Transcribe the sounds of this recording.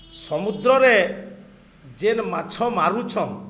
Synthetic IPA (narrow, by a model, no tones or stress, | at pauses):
sɔmud̪ɾɔɾe | d͡ʒenmat͡ʃʰɔmaɾut͡ʃʰɔn